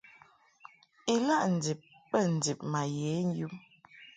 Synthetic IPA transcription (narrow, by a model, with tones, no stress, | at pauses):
i˨la˦ʔn̩˨d͡zi˨p̚ːə˦˨n̩˨d͡zi˨p̚ma˨je˨˦n̩˦ju˦m